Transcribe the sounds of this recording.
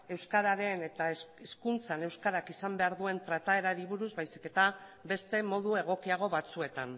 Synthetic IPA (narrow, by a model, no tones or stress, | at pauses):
e̞wskaðaɾe̞ne̞t̪aeskunt͡sane̞wskaðakisambe̞aɾðue̞nt̪ɾat̪ae̞ɾaɾiβuɾuzβajsi̥ke̞t̪abe̞st̪e̞mo̞ð̞ue̞ɣ̞o̞kiaɣ̞o̞βat͡sue̞t̪an